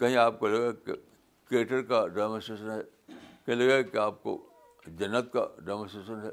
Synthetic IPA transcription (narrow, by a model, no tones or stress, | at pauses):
kɐɦĩaːp̚kolɐɡakḛ | kɾeːʈəɾkaɖɛːmə̃sesənɦɛː | kɐɦĩlɐɡakeaːp̚ko̰ | d͡ʒɐnːət̪̚ka̰ɖɐmə̃sesənɦɛː